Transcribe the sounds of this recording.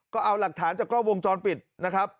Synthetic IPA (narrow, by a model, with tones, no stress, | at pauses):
kɔː˥˩ʔa˧wla˨˩k̚t̪ʰaː˩˦nt͡ɕaː˨˩kɾɔː˥˩wo˧ŋt͡ɕɔː˧npi˨˩t̪̚na˦˥kʰɾa˦˥p̚